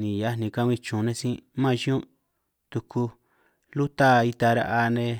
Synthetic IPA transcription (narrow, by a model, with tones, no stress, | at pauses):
nĩ˨ja˧˦nĩ˧kã˧ĩ˧t͡ʃũ˨˧nẽ˧sĩ˦mã˦˧ʃi˦ũ˦ | t̪u˧ku˧ | lu˦t̪a˦˧i˧t̪a˧ɾa̰˧ʔa˧nẽ˧